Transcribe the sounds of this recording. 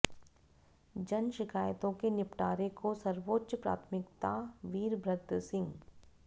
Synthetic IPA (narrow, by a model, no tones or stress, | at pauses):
d͡ʒɐnʃɪkaːjt̪õkenɪpʈaːɾekosɐɾʋoːtːʃəpɾa̰ːt̪ʰmɪkt̪aʋiːɾbɾəɡ̚d̪sɪ̃ŋɡ